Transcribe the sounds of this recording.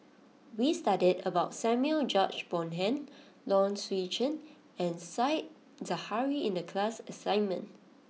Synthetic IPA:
wistadidəbaʊtsɛ̃mjuəld͡ʒɔt͡ʃb̥ɔ̃nɦɛ̃n | lɔ̃nswid͡ʒə̃n | ɛ̃nsaɪt̚ | zəhaɹiɪ̃ndəkʰlasəsãɪ̃nmə̰̃n

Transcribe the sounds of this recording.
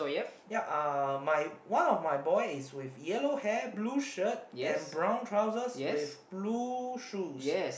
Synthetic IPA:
sojɛ | jaʔʌmajwãnɔfmajbɔɪɪswɪfjɛlohɛbluʃət̚jɛ̃nbɹãw̃ntʰɹaʊzəsjɛwɪfbluʃusjɛs

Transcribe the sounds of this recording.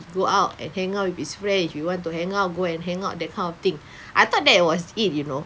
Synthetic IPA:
ɡoʔaʊtɛ̰̃nhɛ̃ŋawifisfɹɛ̃nswiwɔ̃ntuhɛ̃ŋaʊt̚ɡoɛ̃nɦɛ̃ŋaʊt̚dɛt̚kʰãɪ̃ndɔft̪ĩŋ | ʔajt̪ɔt̚dɛt̚wɔsit̚juno

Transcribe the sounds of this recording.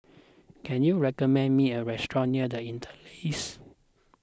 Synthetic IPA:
kʰɛ̃njuɹɛkɔmɛ̃nmiəɹɛstɹɔ̃nniədəĩntʰə̥les

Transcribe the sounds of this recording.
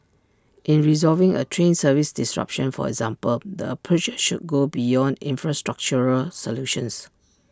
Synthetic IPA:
ʔĩnɹizɔlvɪ̃ŋə̰tʰɹẽnsəvisdɪsɹa̰pʃə̃nfɔ̰ɛ̰ɡzãmpəld̪əpʰɹut͡ʃʃud̚ɡobijɔ̃ndḭ̃nfɹastɹak̚t͡ʃəɹəlsɔluʃə̃ns

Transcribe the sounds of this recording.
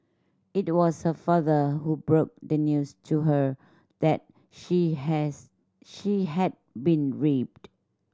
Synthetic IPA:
it̚wɔshəfaðəɦubɹok̚dənjustʰuɦə | d̥ɛt̚ | ʃi | ʃiɦɛd̚bĩnɹip̚d

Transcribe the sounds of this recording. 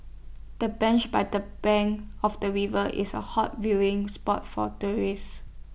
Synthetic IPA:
d̥əbɛ̃nt͡ʃbaɪdəb̥ɛ̃ŋɔfdəɹivəʔɪ̰sə̰hɔt̚wilɪ̃ŋspɔtfɔ̰tuɹis

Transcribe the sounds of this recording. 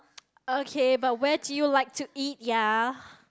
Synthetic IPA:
okʰebat̚wɛdujulaɪk̚tʰuit̚ja

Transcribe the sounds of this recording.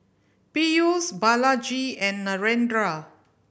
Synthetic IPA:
pijusbalad͡ʒiɛ̃nːaɹɛ̃ndɹa

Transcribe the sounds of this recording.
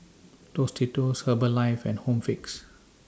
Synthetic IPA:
tostʰitushəbəlaɪfɛ̰̃nhõmfiks

